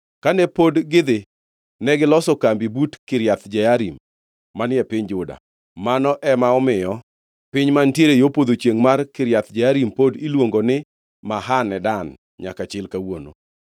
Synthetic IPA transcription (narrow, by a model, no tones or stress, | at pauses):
kanɛpodɡɪd̪ɪ | nɛɡɪlɔsɔkambibutkɪɾjat̪d͡ʒɛaɾimː | anɪɛpɪɲd͡ʒʊda̰ | manɔʔɛmaɔmɪjɔ | pɪɲmantjeɾejopod̪ot͡ʃjeŋmarkɪɾjat̪d͡ʒɛaɾimpodilwoŋɡonɪ | maɦanɛdan | ɲakat͡ʃɪlkawono̰